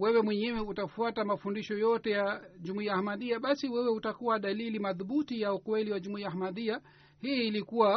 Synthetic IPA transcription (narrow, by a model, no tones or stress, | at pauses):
wɛwɛmwɛɲɛwɛutafuatamafundiʃɔjɔtɛjaʄumuiahmaðiaɓasiwɛwɛutakuwaɗalilimaðuɓutijaukwɛliwaʄumuiahamaðia | hiːlikuwa